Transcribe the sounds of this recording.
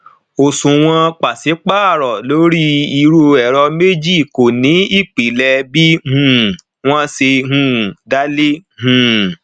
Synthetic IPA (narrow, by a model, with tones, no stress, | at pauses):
o˨sũ˨w̃ɔ̃˧k͡pa˨si˨˦k͡paː˦˨ɾɔ˨lo˨˦ɾi˦i˧ɾo˧ɛ˨ɾɔ˧me˦d͡ʒi˦˨ko˨nĩ˨˦i˦˨k͡pi˨lɛ˧bi˦hũ˦˨ | w̃ɔ̃˦se˧ɦũ˦˨da˦le˦ɦũ˨